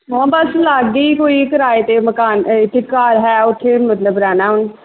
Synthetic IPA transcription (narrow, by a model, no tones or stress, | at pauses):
ɦãːbəslaːɡ̪ːiːkoːiːkəɾaːeːt̪eːməkaːnɪt̪ʰːekːaːɾɦɛːʊt̪ʰːeːmət̪ləbɾɛːnaːɦʊn